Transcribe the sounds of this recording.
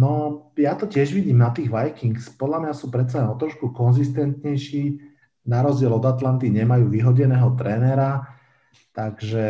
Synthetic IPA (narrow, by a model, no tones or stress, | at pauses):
nɔ | jat̪ɔcɪɛʒʋiɟiːmnat̪iːɣʋajkiŋkspɔd̪lamɲasuːpɾɛt̪salɛnɔt̪ɾɔʃkukɔnzist̪ɛnt̪ɲɛjʃiː | naɾɔzɟɪɛlɔd̪at̪lant̪iɲɛmajuːʋiɦɔɟɛnɛːɦɔt̪ɾɛːnɛɾa | t̪aɡʒɛ